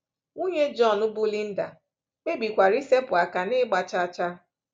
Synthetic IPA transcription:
u˦ɲe˦d͡ʒɔ˦˨nʊ˦bʊ˦li˦n̩˦da̰˨ | k͡pe˦bi˨kʷa˨ɾi˦se˦pʊ˨a˨ka˨nɪ˦ɡ͡ba˨t͡ʃa˦t͡ʃa˦

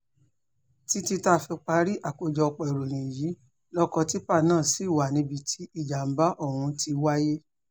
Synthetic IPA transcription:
ti˧˦ti˧ta˧fi˧k͡pa˧˦ɾi˦ʔa˦˨ko˧d͡ʒɔ˧k͡pɔ˨i˨ɾo˨ɾĩ˨ji˨˦ | lɔ˦kɔ˧ti˦pa˦˨nãː˦˨si˨˦˨wa˨nĩ˧˦bi˧tʰi˦i˦˨d͡ʒa˨m̩˨˦ba˦ʔo˦˨hũ˧ti˧wa˦je˦

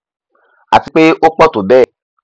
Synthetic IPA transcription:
a̰˨ti˨˧k͡pe˦ʔo˦k͡pɔ˦˨to˨bɛː˦˨

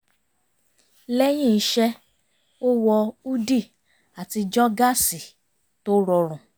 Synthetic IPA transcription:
lɛ˦j̃ĩ˦˨˦ʃɛ˦ | o˦wɔ˧u˦di˦˨ | a˨ti˧d͡ʒɔ˦ɡa˦˨si˨ | to˦ɾɔ˧ɾ̃ũ˨

